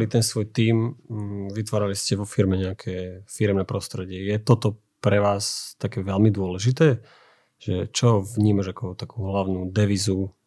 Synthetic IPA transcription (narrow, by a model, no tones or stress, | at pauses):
lit̪ɛnsʋɔjt̪iːm | ʋit̪ʋaːɾaliscɛʋɔfiɾmɛɲɛakʰɛːfiɾɛmnɛpɾɔst̪ɾɛɟɪɛjɛt̪ɔt̪ɔ | pɾɛʋaːst̪akɛːʋɛlmid̪ʊɔlɛʒit̪ɛː | ʒ̥ɛt͡ʃɔvɲiːmaʒakɔt̪akuːɦlaʊnud̪ɛʋizu